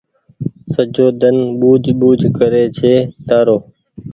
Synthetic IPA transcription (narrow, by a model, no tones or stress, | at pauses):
səd͡ʒoːd̪ənɓuːd͡ʒʱɓuːd͡ʒʱkəɾeːt͡ʃʰeːt̪aːɾoː